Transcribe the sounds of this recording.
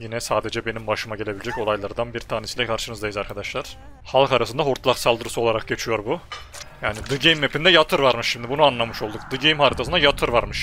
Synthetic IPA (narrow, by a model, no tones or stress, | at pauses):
jinɛsaːd̪e̞d͡ʒɛbe̞nimbaʃɯmaɟelʲe̞bilʲed͡ʒɛco̞lˠajlˠaɾd̪anbiɾt̪ʰaːnʲisilʲɛkʰaɾʃɯnɯzd̪ajizaɾkʰad̪aʃlˠaɾ̥ | halˠkaɾasɯnd̪aɦuɾt̪lˠaksalˠd̪ɯɾɯsuo̞lˠaɾak̚ɟet͡ʃʰijo̞ɾbujaːnid̪ɯɟejmːepind̪ɛjat̪ʰɯɾvaɾmɯʃʃimd̪ibunuanlˠamɯʃo̞lˠd̪ukd̪ɯɟejmhaɾit̪ʰasɯnd̪ajat̪ʰɯɾvaɾmɯʃ